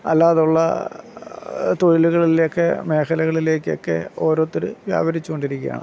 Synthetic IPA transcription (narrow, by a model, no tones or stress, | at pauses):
ɐ̰lːaːðuɭːɐ̰ | t̪oɻiluɣɐɭilokːe̞me̞ːkʰɐlɐɣɐɭile̞ːkːo̞̰kːe̞̰o̞ːɾoːt̪ːoɾɨʋja̰ːbɐɾit͡ɕːuko̞ɳɖiɾikʲːija̰ːɳɨ̰